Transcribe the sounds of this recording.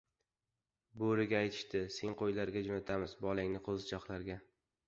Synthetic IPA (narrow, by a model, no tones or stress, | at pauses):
boɾɪɡʲaːjt̪ʰɪ̥ʃt̪ɪseŋqʰojlaɾɡʲad͡ʒonat̪ʰamɪzbɒlˠaŋnɪqʰozɪt͡ʃʰɒχlˠaɾɡʲa